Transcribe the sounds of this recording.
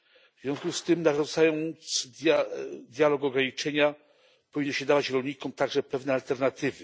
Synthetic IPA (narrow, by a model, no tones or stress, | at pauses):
vzvʲjɔ̃w̃skust̪ɘmnaʐɔnt̪sajɔ̃nt̪sd̪ʲjad̪ʲjalɔɡɔɡɾaɲit͡ʂɛɲa | pɔvʲinːɔɕɛd̪avat͡ɕɾɔlɲikɔmt̪aɡʐɛpɛvnɛalt̪ɛɾnat̪ɘvɘ